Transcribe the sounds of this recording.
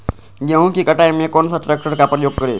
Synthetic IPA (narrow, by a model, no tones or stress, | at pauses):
ɡeũkikəʈajmẽkonsaʈɾek̚ʈəɾkapəɾjoɡ̚kəɾḛ